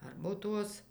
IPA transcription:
ˈɐrboːtuɔs

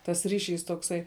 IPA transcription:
tɐs ˈrʲɪˌʃʲiːs toːkˈsɐɪ

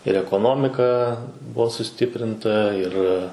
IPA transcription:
ɪr ɛkoːˈnoːmʲɪkɐ ˈbuɔ sʊˈsʲtʲɪpʲrʲɪntɐ ɪr

